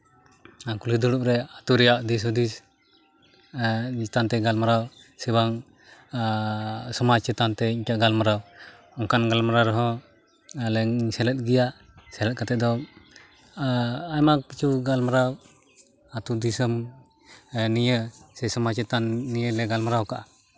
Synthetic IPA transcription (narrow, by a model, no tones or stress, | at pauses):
akulid̪uɽuʔɾɛat̪uɾɛjaʔd̪is̬ɔd̪is | t̪ant̪ɛɡalmaɾaw | sɛbaŋ | sɔmat͡ʃɛt̪ant̪ɛiɲkaʔɡalmaɾaw | ɔŋkanɡalmaɾaɾɔɦɔ̃ | alɛsɛlɛt̪̚ˀɡɛjaʔ | sɛlɛt̪̚kat̪ɛʔ̚d̪ɔ | ajmakpit͡ʃʰuɡalmaɾaw | at̪ud̪isəm | nijəsɛsɔmat͡ʃɛt̪anːijəlɛɡalmaɾawkaʔa